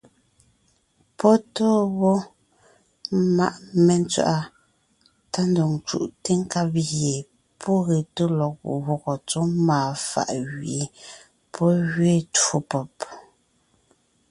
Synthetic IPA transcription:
pɔ˦tɔː˦βɔ˦ | ma̰˦ʔmɛ˨n˦t͡sɥa̰˨ʔa˦ | ta˦ndɔ˨ŋt͡ʃṵ˨ʔte˦ŋ˦ka˦pɣe˨ | pʰɔ˦ɣe˨to˦lɔ˨k̚ṵ˨ʔwɔ˨ɣɔ˨t͡so˨˦maː˨fa̰˨ʔɣɥi˨˦ | pʰɔ˦ɣɥe˦˨to˨pɔ˨p

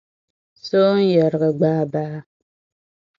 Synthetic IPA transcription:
so˦n̩˦jɛ˨ɾə˨ɣə˨ɡ͡baː˦baː˦

